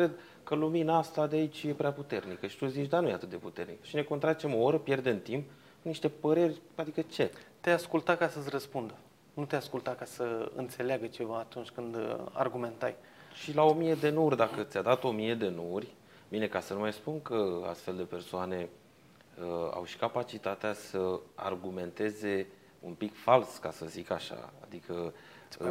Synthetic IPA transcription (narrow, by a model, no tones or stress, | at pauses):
kɾe̞d̪ | kəluminəast̪ad̪eait͡ʃʲje̞pɾʲeaput̪e̞rnikəʃi̥t̪uzit͡ʃd̪anujeat̪ɨt̪̚d̪e̞put̪e̞rnikə̥ʃine̞kont̪ɾat͡ʃe̞mo̞oɾəpje̞rd̪eɨnt̪imp | niʃt̪e̞pəɾe̞rʲad̪ikət͡ʃe̞t̪easkult̪akasərəspund̪ə | nut̪easkult̪akasəɨ̰nt̪se̞leaɡət͡ʃe̞vaːt̪unt͡ʃʲkɨnd̪a̰rɡume̞nt̪aj | ʃilao̞mije̞d̪e̞nuurʲd̪akət̪sʲad̪at̪o̞mije̞d̪e̞nurʲ | mine̞kasənumajspunkəa̰st̪fe̞ld̪e̞pe̞rsoane̞ | əa̰wʃi̥kapat͡ʃit̪at̪easəa̰rɡume̞nt̪e̞ze̞ | umpikfalskasəzikaʃa̰a̰d̪ikʰə